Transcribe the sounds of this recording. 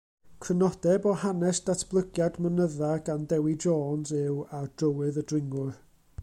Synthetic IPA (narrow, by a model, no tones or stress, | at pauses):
kʰrənɔd̥ɛbɔhanɛsd̥atʰb̥lˠəɡjadmənəðaɡandɛwɪd͡ʒɔːnsɪwad̥əwɨðədrɪŋʊr